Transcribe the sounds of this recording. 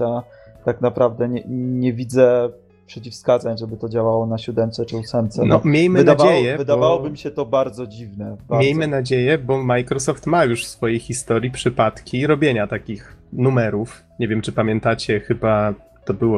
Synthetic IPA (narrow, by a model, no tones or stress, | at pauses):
at̪aknapɾavd̪ɛɲɛɲɛvʲid̪zɛ | pʂɛt͡ɕifskad̪zaɲʐɛbɘt̪ɔd͡ʑawawɔnaɕud̪ɛnt̪sɛt͡ʂɘusɛmt̪sɛnɔmʲjejmɘɨnd̪avaejɛvɨbd̪avawɔbɘmʲɕɛt̪ɔbaɾd̪zɔd͡ʑivnɛbamɾʲejmɘnad͡ʑejɛbɔmajkɾɔsɔft̪majuʂfsfɔjejxʲist̪ɔɾʲjipʂɘpat̪kʲiɾɔbʲjeɲat̪akʲixnumɛɾuf | ɲevʲjɛmt͡ʂɘpamʲjɛnt̪at͡ɕɛxɘba | t̪ɔbɘwɔ